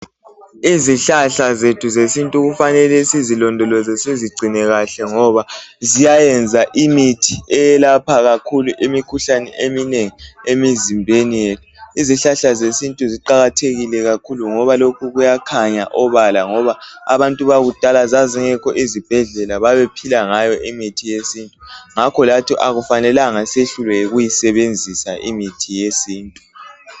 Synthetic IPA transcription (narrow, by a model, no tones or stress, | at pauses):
iziɬaɬazetʰuzesintʼuɣufanɛlɛsizilɔndʱɔlɔzɛseziɡ͡ǀʱinɛɣaɬɛŋɔβazijajɛnd͡zʱaʔimitʰiɛjɛlapʰaɣakʰuluʔimikʰuɬanɛ̰emineŋiemizimbʱenijetʰu̥iziɬaɬazesintʼuziǃaɣatʰeɣilɛɣakʰuluŋɔβalokʰuɣujakʰaɲaʔɔβalaŋɔβaa̰βantʼuβaɣud̥ʱalazaziŋɛkʰɔʔizib̥ʱɛɮɛlaβaβɛpʰilaŋajɔʔimitʰijesintʼuŋakʰɔlatʰiʔaɣufanɛlaŋaseɬulɛjeɣujisɛβend͡zʱisaʔimitʰijesiːntʼu̥